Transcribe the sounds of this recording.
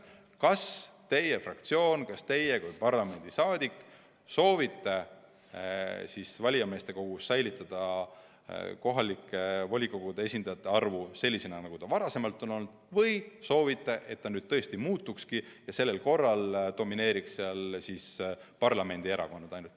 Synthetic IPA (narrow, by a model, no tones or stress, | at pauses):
kɑst̪e̞je̞frɑk̚t̪sio̞ːnkɑst̪e̞je̞kujpɑrlɑme̞nd̪̥isɑːd̪̥ʲikːˑ | so̞ːvit̪ːe | sisvɑlʲijɑme̞st̪e̞ko̞ɡ̥usːæjlit̪ːˑɑd̪̥ɑ | ko̞ɦɑlikːevolʲiko̞ɡ̥ud̪̥ee̞sʲind̪ɑjɑt̪ːˑe̞ɑrvuse̞lʲːisenɑnɑɡ̥ut̪ɑvɑɾɑse̞mɑlt̪ːˑo̞no̞lnd̪̥vɤjso̞ːvit̪ˑːeʔe̞t̪ːɑnyːd̪̥̚t̪ɤest̪imuːt̪ːˑukskijɑse̞lːe̞lko̞rːɑld̪̥o̞mine̞ːɾiksseɑlsispɑrlɑme̞nʲd̪̥ie̞ɾɑ̰ko̞nːɑd̥̪ɑjnult̪